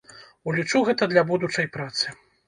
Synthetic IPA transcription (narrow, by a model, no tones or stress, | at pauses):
ulʲit͡ʂuɣɛt̪ɐd̪lʲabud̪ut͡ʂɐjpɾat̪sɨ